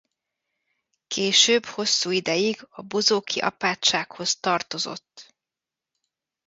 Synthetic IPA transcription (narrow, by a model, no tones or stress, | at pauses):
keːʃøːbho̞sːuːid̪ɛjiɡɒbozoːkʰiʔɒ̰paːt͡ʃt͡ʃːaːkho̞st̪ɒrt̪o̞zo̞̰t̪ː